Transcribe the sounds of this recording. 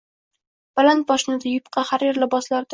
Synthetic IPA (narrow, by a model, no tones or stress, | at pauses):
b̥alant̪̚bɒʃɪnɪd̪ajʊpqʰɑhaɾeɾlɪbɒslaɾd̪